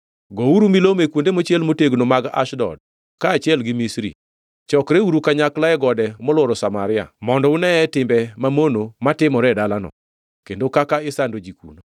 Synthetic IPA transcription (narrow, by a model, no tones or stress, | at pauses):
ɡɔuɾumilomekwondemot͡ʃɛlmoteɡnomaɡa̰ʃdɔ̰d̚ | kaːt͡ʃjɛlɡɪmisɾḭ | t͡ʃɔkɾeuɾukaɲaklaɛɡɔdɛmɔlwɔɾɔsamaɾɪa̰mɔndɔʊnɛɛtɪmbɛmamonomatɪmɔɾɛdalanɔ̰ | kendokakaɪsandod͡ʒikṵno